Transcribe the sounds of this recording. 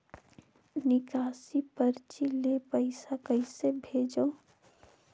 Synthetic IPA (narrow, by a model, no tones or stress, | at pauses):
nɪkaːsipəɾt͡ʃilepəɪsakəɪsebʱeːd͡ʒəː